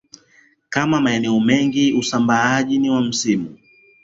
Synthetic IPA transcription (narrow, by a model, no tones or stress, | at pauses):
kamamaɛnɛɔmɛŋɡiusambaaʄiniwam̩simu